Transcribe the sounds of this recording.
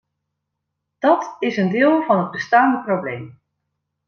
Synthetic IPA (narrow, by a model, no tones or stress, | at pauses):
d̥ɔtɪsəndɪːlˠvɑnɦəd̚bəstaːndəprowblejm